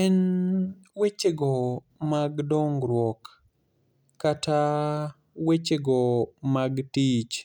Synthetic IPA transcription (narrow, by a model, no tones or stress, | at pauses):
ɛn | wet͡ʃeɡɔ | maɡdɔŋɡɾwɔk | ata | wet͡ʃeɡɔmaɡtit͡ʃ